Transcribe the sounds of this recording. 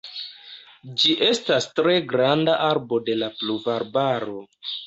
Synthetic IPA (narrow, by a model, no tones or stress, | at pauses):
d͡ʒiʔe̞stastɾe̞ɡɾandaʔaɾbo̞de̞lapluvaɾbaɾo̞